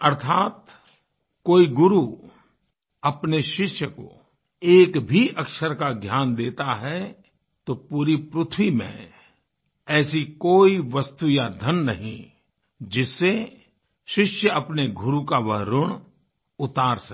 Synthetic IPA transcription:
ɐɾt̪ʰaːt̪ | koːiɡʊɾu | ɐpneʃɪʃjəko̰ | eːkbʱiʔɐkʃəɾkaɡʱjaːnd̪eːt̪aɦɛ | t̪opuːɾipɾʊt̪ʰwimḛ̃ | ɛːsikoːiʋɐst̪ujad̪ʱənːɐɦḭ̃ | d͡ʒɪsːe | ʃɪʃjəɐpneɡʊɾukaʋɐɦɾʊɽ̃ | ʊt̪aːɾsɐ

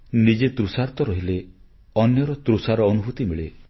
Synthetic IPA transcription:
nid͡ʒet̪ɾusaɾt̪ɔɾɔɦile | ɔnjɔɾɔt̪ɾusaɾɔːnubʱut̪imiɭe

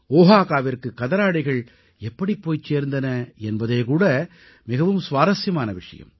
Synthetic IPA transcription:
oːɦaːɣaːʋɪrkɯkːɐðɐɾaːɽɪɣɐɭ | ɛpːɐɽipːoːjt͡ʃːeːɾnd̪ɐnɐɛnbɐðeːkuːɽɐ | mɪɣɐʋɯmsʋaːɾɐsjɐmaːnɐʋɪʂɐ̰jɐ̰m

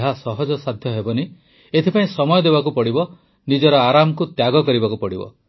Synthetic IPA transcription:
ɦasɔɦɔd͡ʒɔsad̪ʱjɔɦebɔni | et̪ʰipaĩsɔmɔjɔd̪ebak̬upɔɽibɔ | nid͡ʒɔɾɔaɾamɔkut̪jaɡɔkɔɾibakupɔɽibɔ̰

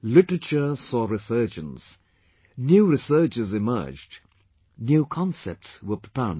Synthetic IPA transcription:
lɪʈəɹət͡ʃəsɔːɹɪsɜːd͡ʒə̃nz̥ | njuːɾɪsɜːt͡ʃɪzɪmɜ̰ːd͡ʒd | njuːkʰɑ̃nsɛ̰p̚tswəpʰɹəpʰãʊ̃nd

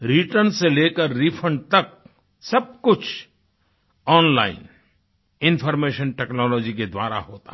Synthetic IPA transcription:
ɾiʈəɾnseleːkəɾːipʰə̃ɳɖ̚t̪ɐk̚ | sɐb̚kʊt͡ʃʰ | ɔːnla̰ːɪn | ɪ̃npʰɔːɾmeːʃənʈɛːknɔːlɔːd͡ʒiked̪wa̰ːɾa̰ɦoːt̪a̰

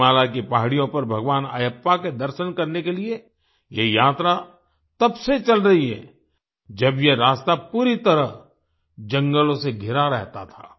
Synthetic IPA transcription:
aːlakipaːɦɽijõpɐɾbʱɐɡʋaːna̰jəpːaked̪ɐɾʃənkɐɾnekelie | jejaːt̪ɾa | t̪ɐbset͡ʃɐlɾɐɦiɦɛ̰ | d͡ʒɐbjeɾaːst̪apuːɾit̪ɐɾəɦ | d͡ʒɐ̃ŋɡəlõseɡʱɪɾaɾɛɦt̪at̪ʰaː

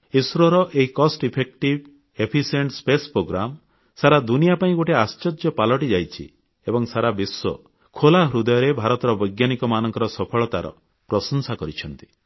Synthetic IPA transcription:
isɾɔɾɔʔeɦikɔsʈipʰek̚ʈib | epʰiseɳʈspespɾoɡɾam | saɾad̪unijapaĩɡoʈeast͡ʃɔd͡ʒjɔpalɔʈid͡ʒajt͡ʃʰḭ | ebɔŋsaɾabisːɔ̰ | kʰolaɦɾud̪ɔjɔɾebʱaɾɔt̪ɔɾɔbɔjɡjanikɔmanɔŋkɔɾɔsɔpʰɔɭɔt̪aɾɔ̰ | pɾɔsɔnsakɔɾit͡ʃʰɔnt̪i̥

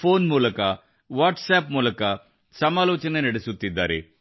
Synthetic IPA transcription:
pʰoːnmuːlɐkɐ | ʋaːʈsaːpmuːlɐkɐ | sɐmaːlɔːt͡ʃɐnɐnɐɽɐsut̪ːid̪ːaːɾḭ

